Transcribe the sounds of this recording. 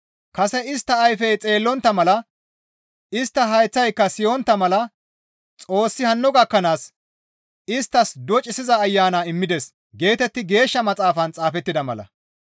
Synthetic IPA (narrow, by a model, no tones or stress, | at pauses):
kɐsɛɪst̪ːɐːjfɛjt͡sʼe̞ːlːɔnt̪ːɐmɐlɐ | ɪst̪ːɐɦɐjt͡sːɐjkːɐsɪjɔnt̪ːɐmɐlɐ | t͡sʼo̞ːsːɪhɐnːɔɡɐkːɐnaːs | ɪst̪ːɐsd̪ɔt͡ʃʼɪsɪzɐːjːaːnaːɪmːɪd̪ɛs | ɡe̞ːt̪ɛt̪ːɪɡe̞ːʃːɐmɐt͡sʼaːfɐnt͡sʼaːfɛt̪ːɪd̪ɐmɐ̰lɐ̰